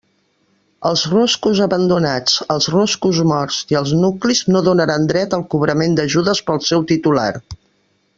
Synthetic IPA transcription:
əlˠzroskuzəβənd̪unat͡səlˠzroskuzmɔɾziəlˠznukliznoðunəɾand̪ɾɛt̪əlˠkuβ̞ɾəmend̪əʒuðəspəlˠsɛwt̪it̪ula̰r

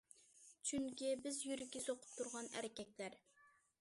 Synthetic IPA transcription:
t͡ʃʰyŋkʲibɪzjyɾɪkʲːɛsoqʰʊ̥p̚t̪ʰuɾʁɑnæ̰ɾɪkʲɛkʲlæɾ

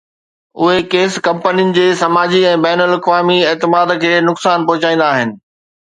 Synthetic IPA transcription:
ʊɦekeːskɐ̃mpənijʊnɪ̆d͡ʑeːsɐmaːd͡ʑiɛ̃ːbɛːnəlɐkʋaːmieːt̪ɪmaːd̪kʰeːnʊksaːnpɐɦʊt͡ɕaːĩːn̆d̪aːɦɪnɪ̆

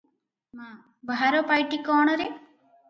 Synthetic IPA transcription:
ma | baɦaɾopajʈikɔːɳoɾe

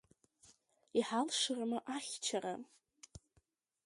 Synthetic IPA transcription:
iħalʂɨrmɨʔaχʲt͡ʃʰara

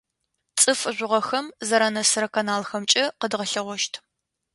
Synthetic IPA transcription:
t͡sʼɨfɨʒʷʊʁɐxɐmzɐɾɐnɐsɨɾɐkʰɐnaːlxɐmt͡ʃʼɪqədʁɐɬɐʁʷɔʃtʰ

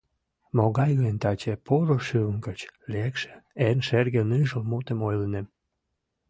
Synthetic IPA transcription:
moɣɑjɣəənt̪ɑt͡ɕepʰoɾoʃyəŋkət͡ɕlekʃĕ̥enʃerɣenɯʒəlmut̪ə̆mojlənem

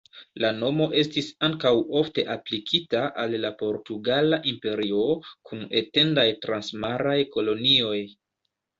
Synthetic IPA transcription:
lano̞mo̞ʔe̞stisaŋkawo̞fte̞ʔaplikʰitaʔalːapo̞ɾtuɡalaʔimpe̞ɾio̞kʰune̞te̞ndajtɾansmaɾajko̞lo̞nio̞j

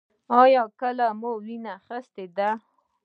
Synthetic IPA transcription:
ɑjɑkəlamolinaxəst̪ed̪a

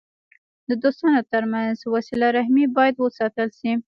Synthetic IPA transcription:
d̪əd̪ost̪ɑnot̪əɾmanzwasilaɾahmibɑjad̪wəsɑt̪əlʃi

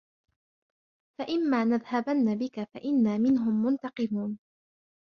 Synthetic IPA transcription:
faʔɪmːaːnaðhabanːabɪkafaʔɪnːaːmɪnɦʊmːʊnt̪ɑqɨmuːn

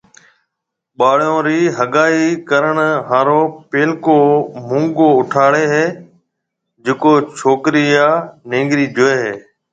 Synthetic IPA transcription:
ɓaːɽjõːɾiːɦəɠaːiːkəɾəɳɦãːɾoːpeːlkoːmʊ̃ːŋɡoːʊʈʰaːɽeːɦeː | d͡ʒɪkoːt͡ʃʰoːkɾɪjaːnẽːŋɡɾiːd͡ʒʊeːɦeː

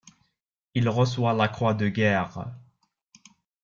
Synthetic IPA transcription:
ilʁəs̬walakχwad̪əɡʲɛːʁ

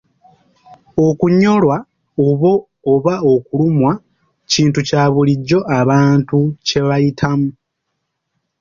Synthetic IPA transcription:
o̞kuɲo̞lwa | oβo̞ː | βao̞kulumwa | ciːntucaːβuliɟːo̞ʔaβaːntuce̞βajitʰamu

